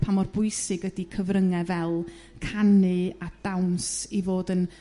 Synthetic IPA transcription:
pʰamɔrbʊɨsɨɡədikʰəvrəŋɛvɛlˠ | kʰanɨad̥awnsivoːdən

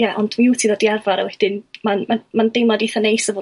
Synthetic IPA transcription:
jaʔɔndmiutʰiðɔdiarvaɾa̰wɛd̥ɪnmanmamandejmlˠadiθanejsəvoː

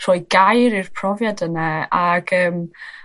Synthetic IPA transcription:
r̥ɔːjɡ̥ajɾirpʰrɔvjadənɛaɡ̥əːm

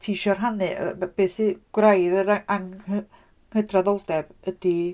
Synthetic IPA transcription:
tʰiʃɔrɦanɪb̥eːsiɡ̥wrajðəɾaʔaŋ | hədraðɔlˠdɛbəd̥i

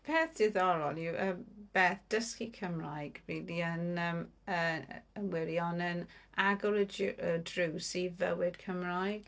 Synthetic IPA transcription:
pʰeːθd̥ɪðɔɾɔljuʔəb̥eːθd̥əskikʰəmrajɡ̥wiːdiənəməənwɛɾiɔnənaɡɔləədruwsivəwɪd̥kʰəmrajɡ̥

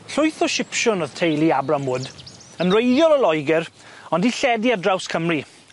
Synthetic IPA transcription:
ɬʊjθɔʃɪpʃʊnɔð̥tʰejlˠiabramʊd | ənrejðjɔlˠəlˠɔjɡɛɾ | ɔndiɬɛdiadrawskʰəmri

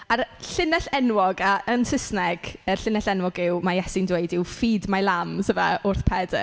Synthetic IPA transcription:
arɬɪnɛɬɛnwɔɡaənsɪsnɛɡ̥əɬɪnɛɬɛnwɔɡɪwmajɛsɪndwejdɪwfiːdmalˠamsəvaʊrθpʰɛdə̰

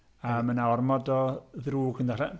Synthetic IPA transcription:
əːmənaɔrmɔdɔðruːɡəndaɬɛ

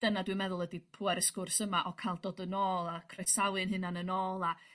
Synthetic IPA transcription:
d̥ənadwɨmɛðʊlˠədipʰuɛɾəskʊrsəmaʔɔkʰajlˠdoːdənoːlˠakʰrɛsawɨnɦɨnanənoːlˠa

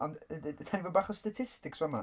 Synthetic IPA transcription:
ɔntʰanivɔbaχɔstatʰɪstɪkswama

